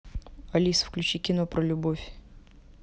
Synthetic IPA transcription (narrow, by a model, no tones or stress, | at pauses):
ɐlʲisfklʲʉt͡ɕikʲɪno̞pɾəlʲʊbofʲ